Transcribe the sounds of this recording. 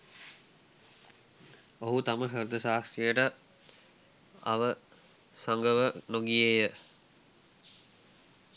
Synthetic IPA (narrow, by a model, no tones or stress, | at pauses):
oɦut̪aməɦəɾud̪əsaːksijəʈə | a̰ʋə | saŋɡəʋənoɡieːjə